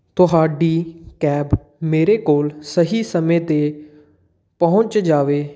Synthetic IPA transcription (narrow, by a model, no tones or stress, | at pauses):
t̪ʊɦaːɖiːkɛːb | meːɾeːkoːlsəɦiːsəmẽːt̪eː | pəʊ̃ɲt͡ʃd͡ʒaːʋeː